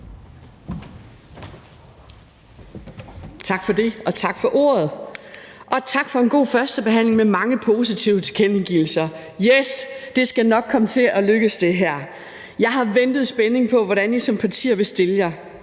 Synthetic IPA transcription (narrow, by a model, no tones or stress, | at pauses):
t͡sʰɑ̈ɡ̥fɒ̽d̥e̝ɒ̽t͡sʰɑ̈ɡ̥fɒ̽ʔo̝̰ːɐð̞̩ˠ | ʔɒ̽t͡sʰɑ̈ɡ̥fɒ̽e̝nɡ̥o̝̰ːfɶɐsd̥əb̥e̝ɦæn̰le̝ŋmemɑ̈ŋəpʰo̝ːsit͡sʰiʊət͡sʰe̥kʰeneɡ̥il̩sɐjesd̥e̝sɡ̥ænɒ̽ɡ̥̚kʰɒ̽mət͡sʰe̝ɒ̽løɡ̥əsd̥e̝ɦæɐ̰ | jɑ̈ɪhɑ̈ʋend̥ð̞̩ˠsb̥ene̝ŋpʰɒ̽ʋɒɾ̥ænjisɒ̽mpʰæt͡sʰḭːɐ̰ʋe̝sd̥e̝ləjɑ̈ɪ